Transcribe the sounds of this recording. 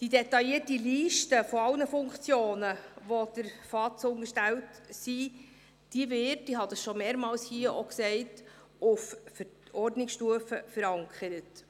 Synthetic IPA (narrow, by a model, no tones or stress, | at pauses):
d̥idetɑjiətiliːʃtəfɔɑlnəfʊŋkt͡sjoːnəʋod̥əɾfɑtt͡sʊŋəʃtɛwtsi | d̥iəvɪtd̥iɦɑd̥̪əsʃomeːɾmɑːlshiəʔoksɛɪt | ʊffəɔrdnɪksʃtuəfəfəɾɑŋkʰχəɾət